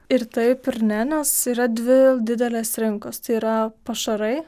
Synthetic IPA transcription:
ɪɾt̪ɐɪpʲɪɾʲnʲæːnʲɛsiːɾɐd̪ʲʋʲɪd̪ʲɪd̪ʲɛlʲeːsɾʲɪŋkost̪ɐɪiːɾɐpɐʃɐɾɐɪ

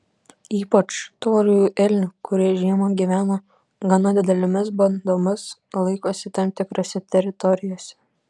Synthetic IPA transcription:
iːpɐt͡ʃt̪oːlʲʊjuːʔɛlʲnʲʊːkʊɾʲiɛʒʲiɛmoɡʲiʋʲæːno | ɡɐnɐd̪ʲɪd̪ʲɛlʲɪmʲɪsbɐnd̪oːmʲɪslˠɐɪkoːsʲɪt̪ɐmt̪ʲɪkɾoːsʲɛt̪ʲɛɾʲɪt̪ɔɾʲɪjoːsʲɛ̥

